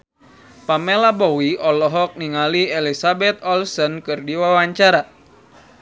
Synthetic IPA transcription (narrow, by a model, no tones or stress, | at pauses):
pamɛlabɔwiʔɔlɔɦɔk̚niŋaliɛlisabɛt̪̚ɔlsɔnkɨrdiwawaɲt͡ʃaɾa